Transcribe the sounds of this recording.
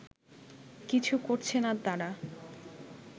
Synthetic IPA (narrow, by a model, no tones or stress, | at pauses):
kit͡ɕʰukoɾt͡ɕʰenat̪aɾa